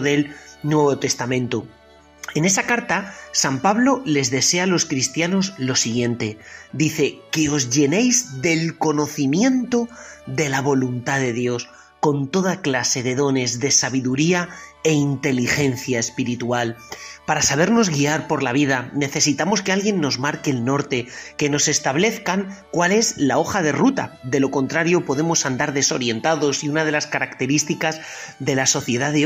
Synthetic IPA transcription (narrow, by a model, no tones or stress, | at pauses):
ðe̞lnwe̞βo̞t̪e̞st̪amẽ̞nt̪o | ene̞sakaɾt̪asampaβlo̞le̞zðe̞se̞alo̞skɾist̪jano̞zlo̞siɣje̞nt̪e̞d̪iθe̞ke̞o̞zʝe̞ne̞jzðe̞lko̞no̞θimjẽ̞nt̪o̞ðe̞laβo̞lunt̪aðe̞ðjo̞s | ko̞nt̪o̞ð̞aklase̞ðe̞ðo̞ne̞zðe̞saβiðuɾiae̞int̪e̞lixe̞nθjaespiɾit̪ualpaɾasaβ̞e̞ɾno̞zɣiaɾpo̞ɾlaβ̞iðane̞θe̞sit̪amo̞ske̞alɣje̞nːo̞zmaɾke̞ːlno̞ɾt̪e̞ke̞no̞se̞st̪aβle̞θkaŋkwale̞zlao̞xað̞e̞rut̪a̰d̪e̞lo̞ko̞nt̪ɾaɾjo̞po̞ðe̞mo̞sand̪aɾðe̞so̞̰ɾje̞nt̪aðo̞siunað̞e̞laskaɾakt̪e̞ɾist̪ikazðe̞laso̞θje̞ðaðe